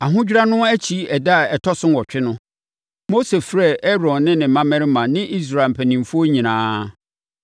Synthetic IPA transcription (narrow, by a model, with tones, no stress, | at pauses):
a˨ɦʊ̃˦d͡ʑᶣɾa˦nʊ̃˦æ˦t͡ɕʰi˦ɛ˨da˦˨ɛ˨tʰɔ˦sʊ̃˦nwɔ˨t͡ɕᶣɪ˦nʊ̃˦ | mo˦se˨fɾɛ˦˨ɛ˦ɾɔ̃˨nːɪ̃˦nɪ̃˨mã˦mɛ̃˦ɾmã˨nɪ̃˦ʔi˦s̬ɾa˨lm̩˨pʰæ˨nĩ˨mfu˦o˦ɲĩ˨nãː˦